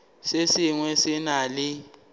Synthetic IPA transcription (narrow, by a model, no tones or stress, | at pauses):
sesɪŋwɛsɪnaːlɪ